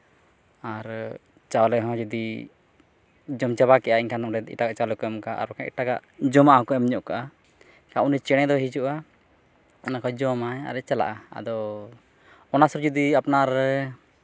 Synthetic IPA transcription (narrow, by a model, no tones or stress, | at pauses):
aɾ | t͡ʃawlɛɦɔ̃d͡ʒɔd̪i | d͡ʒɔmt͡ʃaβakɛʔaiɲkʰanɔɾɛd̪ḭʈaɡaʔt͡ʃalɛkɔɛmkaʔa̰ɾɔkaʔḭʈaɡa̰ʔd͡ʒɔmaʔhɔkɔɛmɲɔʔkaʔa | kaunit͡ʃɛɽ̃ɛ̃d̪ɔɦid͡ʒuʔa | nakɔd͡ʒɔmaja̰ɾɛt͡ʃala̰ʔaa̰d̪ɔ | ɔnasuɾd͡ʒɔd̪iapnaɾ